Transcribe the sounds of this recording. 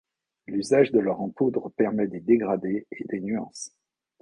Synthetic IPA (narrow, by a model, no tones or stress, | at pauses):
lyzaʒd̪ələʁɑ̃pud̪ʁəpɛʁmɛd̪ed̪eɡʁad̪eed̪enyɑ̰̃s